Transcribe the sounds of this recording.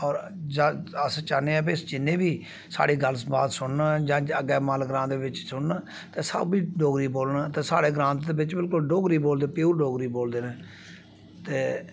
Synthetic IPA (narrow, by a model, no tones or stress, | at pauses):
ɔːɾ | d͡ʒãəst͡ʃaːneːɛ̃ːbɪsd͡ʒɪnːẽːbiː | sa̰ːɽiːɡəlsbaːd̪sʊɳnad͡ʒãːəɡɛːmaːlɡɾãːd̪eːʋɪt͡ʃsʊɳna | t̪eːsə̰biːɖoːɡɾiːboːlnːt̪eːsaːɽeːɡɾãːnt̪d̪eːbɪt͡ʃbɪlkʊlɖoːɡɾiːboːld̪eːpeuːɾɖoːɡɾiːboːld̪eːnɛ̃ː | t̪eː